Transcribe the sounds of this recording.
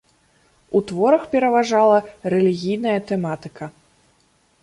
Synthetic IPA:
ut̪vɔɾɐxpʲɛɾɐvaʐalˠɐɾɛlʲiɣʲijn̪ɐjɐt̪ɛmat̪ɨkʰɐ

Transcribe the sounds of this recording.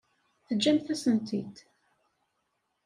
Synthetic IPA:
θəd͡ʒːæmθæsənt̪ʰit̪

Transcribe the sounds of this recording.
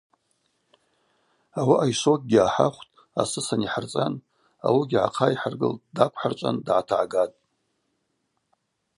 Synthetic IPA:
awiʔajʃok̚ʼɡʲiaħa̰χʷtʼ | asɨsaniħart͡sʼan | a̰wiɡʲiʕa̰qʰaiħarɡɨ̰ltʼdakʷʰħart͡ʃʷʼa̰ndʕatʰaʕɡatʼ

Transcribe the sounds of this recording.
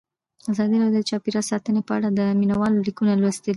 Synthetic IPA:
azɑd̪iɾɑjod̪d̪t͡ʃɑpiɾɑsɑt̪ənepəaɽad̪əminawɑlolikunalwast̪əli

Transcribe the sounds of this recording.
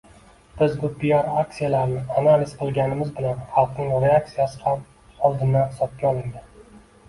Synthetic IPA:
b̥ɪzbʊpijɒɾak̚tsijalaɾnɪanalɪzqʰɨlˠɡʲanɪmɪzbɪlanχɑlˠqnɪŋɾe̞ak̚t̪sijasɪ̥ham | ɒlˠd̪ɪnd̪anhɪ̥sɒp̚kʲaɒlˠɪŋd̪ɪ

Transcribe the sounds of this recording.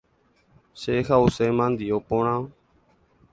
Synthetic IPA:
ʃexausemãnd̪iopõɽ̃ão

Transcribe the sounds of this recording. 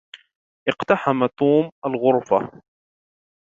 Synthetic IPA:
ʔɪqt̪aħamat̪uːmʔalɣʊɾfa̰

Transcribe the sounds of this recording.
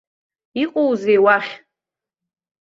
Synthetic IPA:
iqʼowzejwaχʲ

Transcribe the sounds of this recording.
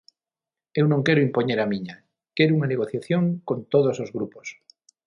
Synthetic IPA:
e̞wnõŋkeɾoimpo̞ɲeɾamĩɲa | keɾouŋaneɣ̞o̞θjaθjoŋko̞nt̪oð̞osozɣɾupos

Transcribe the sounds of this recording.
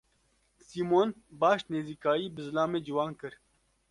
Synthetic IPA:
siːmoːnbaːʃt̪neːziːkaːiːbəzlaːmeːd͡ʒuwaːnkɨɾ

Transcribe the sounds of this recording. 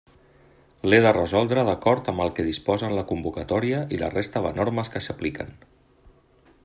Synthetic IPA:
leðərəzɔlˠd̪ɾəðəkɔɾt̪əmbəlˠkɛð̞ispɔzənləkumbukət̪ɔɾiəʔilə̰rest̪əðə̰noɾməskəsəplikə̰n

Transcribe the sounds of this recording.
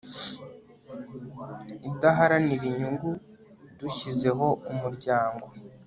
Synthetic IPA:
idaɦaɾaniɾiɲuŋɡu | duçize̞ɦo̞umuɾɟaːŋɡo̞

